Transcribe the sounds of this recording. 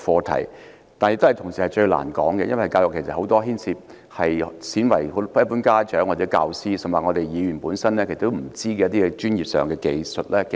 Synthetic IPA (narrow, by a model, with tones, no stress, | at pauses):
fɔː˧t̪ʰɐ̰˨˩j | t̪aː˨njɪ˧kt̪ɐ˨jt̪ʰʊ˨˩ŋsiː˨hɐ˨˩jt͡ʃɵ˧ɥla̰ː˨˩nkɔ̰ː˨˥ŋkɛ˧jɐ˥nwɐ˨jkaː˧wjʊ˨kʰːe˨˩sɐ˨t̚ho˨˥wt̪ɔː˥ɦiː˥nsʰiː˧p̚ | hɐ˨jsiː˨˥nwɐ˨˩jɦo˧˥jɐ˥pːuː˨˥nkaː˥t͡ʃœː˨˥ŋwaː˨˩t͡sɛ˨˥kaː˧wsiː˥sɐ˨˩mwa˨ŋɔː˨˧t̪e˨jjiː˨˧jy˨˩npuː˨˥nsɐ˥nlɛː˥ke˨˩sɐ˨t̪ːo˥m̩˨˩t͡siː˥kɛː˧jɐ˥t̪iː˥ɛ˧t͡ʃyː˥njiː˨p̚sœː˨ŋkɛː˧ke˧jsɵ˨t̚lɛː˥k